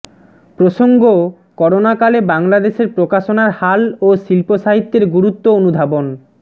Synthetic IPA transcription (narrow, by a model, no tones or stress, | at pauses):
pɾoʃoŋɡo | kɔɾonakalebaŋlad̪eʃeɾpɾokaʃonaɾhaloʃilpoʃaɦit̪ːeɾɡuɾut̪ːoonud̪ʱabon